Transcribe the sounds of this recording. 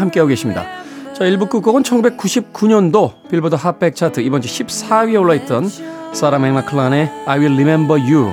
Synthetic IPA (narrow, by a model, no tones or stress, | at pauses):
ɦamk͈eaoɡeɕʰimɲida̰t͡ɕʌiɭbuk͈uk͈ʌɡɯnt͡ɕʰʌŋɡube̞k͈ːuɕʰip̚k͈uɲʌndopiɭbodʰʌɦap͈ʰek̚t͡ɕʰatʰɯibʌnt͡ɕʰeɕʰip̚s͈ʰawioɭːait̚t͈ʌns͈aɾameŋnakʰɯɭane̞ajwilːimembʌju